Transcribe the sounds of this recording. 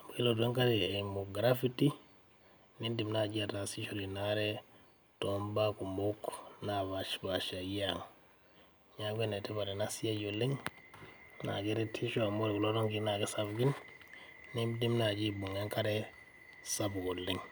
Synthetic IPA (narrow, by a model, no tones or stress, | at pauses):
abuɡilodueŋkaɾeemuɡɾafiti | nidimnaɟiatasiʃoɾinaɾe | tombakumoknaβaʃbaʃaiaŋ | ɲaɡʷeneteβaɾenasijaɟolːiŋ | na̰ɡeɾetʰiʃoamoɾekuloɾoŋkinaɡesabɡin | nidimnaɟibuŋeŋkaɾe | sabɡolːiŋ